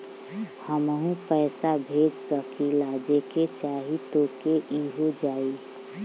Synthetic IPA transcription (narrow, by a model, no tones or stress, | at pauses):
həmɦũpɛːsabʱeːd͡ʒsəkilaːd͡ʒeket͡ʃaːɦit̪oːkeʔiɦod͡ʒaːi